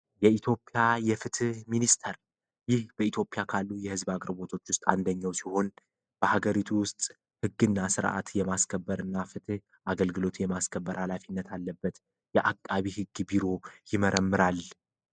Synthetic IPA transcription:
jɛit̪ʰjo̞pʼːjajɛfɨt̪ʰɨhminist̪ʰəɾ | jɪhb̥əit̪ʰjo̞pʼjakʰalːujɛhɨzbakʼɾɨbo̞t̪ʰo̞t͡ʃːwʊst̪ʼa̰nd̪əɲːawsiho̞n | b̥əhaɡəɾit̪ʰuwʊst̪ʼ | hɨɡːɨnːasɨɾʔa̰t̪jɛmaskʰəbːəɾɨnːafɨt̪ʰɨh | ʔaɡəlɡɨlo̞t̪jɛmaskʰəbːəɾhalafinːət̪alːəbːət̪ | jɛʔakʼːaβihɨɡːbiɾo̞jɪməɾʔəmːɨɾal

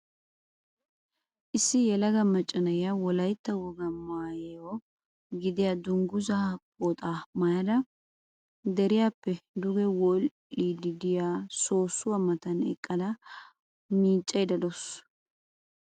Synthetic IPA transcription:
ʔɪsːɪjɛlɐɡɐmɐt͡ʃʼːɐnɐjɪjɐwɔlɐjt̪ːɐwɔɡɐmaːjeɔ | ɡɪd̪ɪjɐd̪ʊŋɡʊzɐpʼːot̪ʼaːmɐjɐd̪ɐ | d̪ɛɾɪjaːpːɛd̪ʊɡɛwɔl | id̪ɪd̪ɪjaːso̞ːsːʊwɐmɐt̪ɐnɛ̰kʼːɐd̪ɐ | miːt͡ʃʼːɐjd̪ɐd̪ɔs

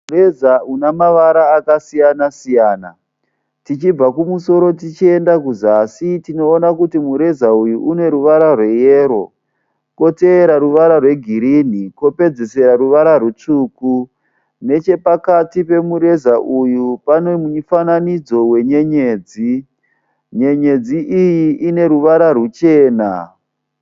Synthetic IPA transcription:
urezaunamaʋaɾaːkasijanasijaːna | tit͡ʃib͡vakumuso̞ɾo̞t̬it͡ʃie̞ndakuzasitino̞ːnakutimuɾe̞zaujuʔune̞ɾuʋaɾarwe̞jeːɾo̞ | ko̞teːɾaɾuʋaɾarwe̞ɡʱiɾin̤iko̞pe̞d͡ze̞se̞ɾaɾuʋaɾaɾut͡ʂuːku | ne̞t͡ʃe̞pakatipe̞muɾe̞zaʔujupanomuɲifananid͡zo̞we̞ɲeɲeːd͡zi | ɲe̞ɲe̞d͡ziʔijiʔine̞ɾuʋaɾarut͡ʃeːna̰

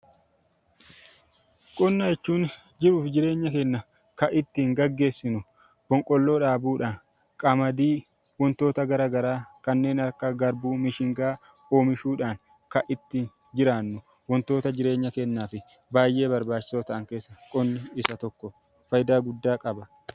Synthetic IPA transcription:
kʼʊnːɐjɛt͡ʃːuːn | d͡ʒɪɾuːfd͡ʒɪɾe̞ːɲːɐkɛnːɐ | kɐʔɪt̪ːiːŋɡɐɡːe̞ːsːɪnʊ | b̥ɔŋkʼɔlːo̞ːᶑaːbuːᶑaːn | kʼɐmɐd̪iː | wɔnt̪o̞ːt̪ɐɡɐɾaːɡɐɾaːkɐnːe̞ːnɐɾkɐɡɐɾbuːmɪʃɪŋɡaː | o̞ːmɪʃuːᶑaːŋ | kɐʔɪt̪ːiːn | d͡ʒɪɾaːnːʊ | wɔnt̪o̞ːt̪ɐd͡ʒɪɾe̞ːɲːɐkɛnːaːfɪ | baːjʔe̞ːbɐɾbaːt͡ʃːɪ̥soːt̪ɐʔɐŋke̞ːsːɐkʼʊnːɪɪsɐt̪ɔkːɔ | fɐjd̪aːɡʊd̪ːaːkʼɐbɐ

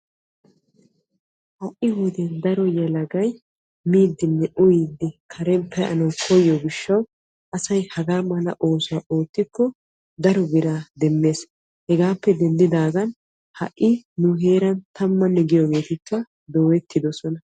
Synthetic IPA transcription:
ʔɐʔɪhud̪ɛnd̪ɐɾɔjɛlɐɡɐj | miːd̪ːɪnːɛʔʊjiːd̪ːɪkʰɐɾɛmpʰːɛʔɐ̰nɔwkʰɔjɔɡɪʃːɐw | ʔɐsɐjhɐɡaːmɐnɐʔo̞ːsʊaʔoːt̪ːɪkːɔ | d̪ɐɾɔɡɪɾaːd̪ɛmːe̞ːs | hɛɡaːpːɛd̪ɛnd̪ɪd̪aːɡɐn | hɐ̰ʔːɪnʊɦe̞ːɾɐnt̪ʰɐmːɐnːɛɡɪjɔɡe̞ːt̪ɪkːɐ | d̪o̞ːwɛt̪ʰːɪd̪ɔsɔnɐ

